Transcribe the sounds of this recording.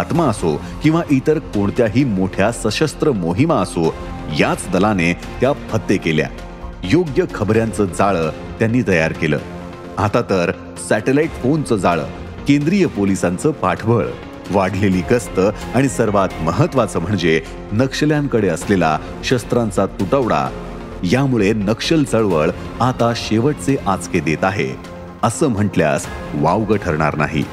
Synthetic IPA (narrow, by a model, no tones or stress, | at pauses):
at̪maəso | kĩw̃ʋaʔit̪əɾkoɳt̪jaɦiːmoʈʰjasəɕəst̪ɾəmoɦimaəso | jat͡sd̪əlane | t̪japʰət̪ːekelja̰ | joɡjəkʰəbɾjãnt͡səd͡zaɭəː | t̪janːiːt̪əjaɾkelə̰ː | at̪at̪əɾ | sæʈelaiʈfont͡səd͡zaɭə̰ː | kend̪ɾijəpolisant͡səːpaʈʰbəɭ | ʋaɽleliːɡəst̪əaɽ̃isəɾʋat̪məɦət̪ːʋat͡səːm̤əɳd͡ze | nəkʂəljaŋkəɽeəslela̰ | ɕəst̪ɾãnt͡sat̪uʈəʋɽa̰ | jamuɭenəkʂəlt͡səɭʋəɭ | at̪aɕeʋəʈ̚t͡seʔat͡sked̪et̪aɦḛ | əsəːm̤əʈlja̰s | ʋawɡəʈʰəɾɳ̃a̰ɾna̰ɦḭː